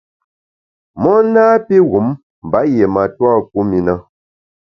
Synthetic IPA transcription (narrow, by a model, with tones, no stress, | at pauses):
mɔ˦naː˦pi˦ɣu˨˦m | m̩˨ba˨˦je˨ma˨twa˦ku˦mi˨na˦